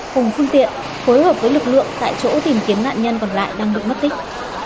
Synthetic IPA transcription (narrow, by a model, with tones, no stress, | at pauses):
kʊ˨˩ŋ͡mfɨ˧əŋt̪ḭ˧˨ən | fo˨˦jhəː˨˩p̚vəː˨˦lɨ˨˩k̚lɨ̰˧˨əŋt̪a̰ː˧˨jt͡ɕo̰˧˥t̪i˨˩mki˨˦əna̰ː˧˨nɲə˧nkɔ˨˩nla̰ː˧˨jɗaː˧ŋɗɨ˨ək̚mə˦˥t̚t̪i˦˥k̟̚